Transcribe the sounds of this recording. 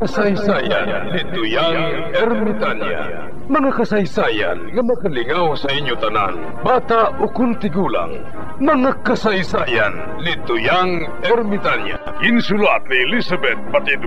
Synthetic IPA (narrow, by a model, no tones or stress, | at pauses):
kasajsajan | lɪt̪ʊjaŋ | ɛɾmɪt̪anja̰a̰ | mɐŋakɐsajsaja̰nŋɐmɐkalɪŋawsɐiɲjʊt̪ɐna̰n | bat̪aʔʊkʊnt̪ɪɡuːla̰ŋ | mɐŋakɐsajsaːjan | lɪt̪ʊjaŋ | ɛɾmɪt̪anja̰ | ɪnsʊlat̪̚nilisabɛt̪̚pat̪id̪